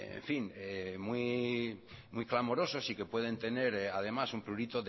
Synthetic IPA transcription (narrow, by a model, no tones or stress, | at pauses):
ḛɱfiŋemwi | mujklamo̞ɾo̞so̞sike̞pwe̞ð̞e̞nt̪e̞ne̞ɾað̞e̞masumpluɾit̪oð